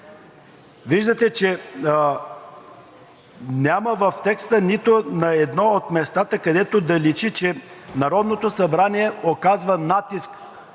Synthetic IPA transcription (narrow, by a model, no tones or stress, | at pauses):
viʒd̪ət̪ɛt͡ʃɛ | nʲaməvɐft̪ɛkst̪ənit̪onɐɛd̪nɔot̪mɛst̪at̪əkɐd̪ɛt̪od̪ɐlit͡ʃit͡ʃɛnɐɾɔd̪not̪osɐbɾaniɛokazvənat̪isk